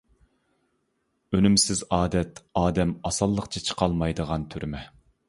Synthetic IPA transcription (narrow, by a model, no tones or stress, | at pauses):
ønymsɪzɑːd̪ɛt̪ɑːd̪ɛmɑsɑlˠːəqt͡ʃʰɑt͡ʃʰə̥qʰɑlˠmɑjd̪əʁɑnt̪ʰyɾmɛ